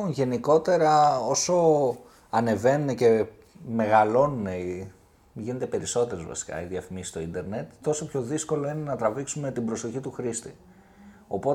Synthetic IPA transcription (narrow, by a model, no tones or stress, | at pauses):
ʝe̞niko̞t̪e̞ɾɐo̞so̞ | ɐne̞ve̞nunece̞ | me̞ɣɐlo̞nunei | ʝine̞t̪e̞pe̞ɾiso̞t̪e̞ɾezvɐ̰si̥kɐ̰iðiɐfimisi̥st̪oind̪e̞ɾne̞t̪ːo̞so̞pço̞ðisko̞lo̞ine̞nɐt̪ɾɐviksume̞t̪ibɾo̞so̞çit̪uxɾist̪i̥ | o̞po̞